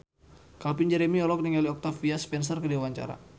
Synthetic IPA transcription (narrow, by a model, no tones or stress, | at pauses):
kalpinɲd͡ʒɛɾemiɔlɔk̚niŋaliɔk̚t̪afiaspɛns̬ərkədewaɲt͡ʃa̰ɾa̰